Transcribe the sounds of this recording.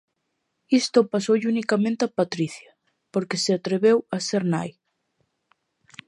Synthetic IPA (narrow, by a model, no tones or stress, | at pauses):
ist̪opasowʎunikamẽnt̪apat̪ɾiθja | poɾkeseat̪ɾeβewaseɾna̰j